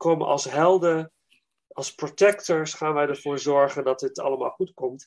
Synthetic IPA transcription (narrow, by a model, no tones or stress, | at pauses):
komə̰ɑ̰lˠsɦɛlˠdə | ɑlˠsprotɛktəɹsχaːnʋɛjdəɹv̥ʊːɹzɔɹχəndɑt̚dɪtɑ̰ləma̰ːlˠχutkɔmt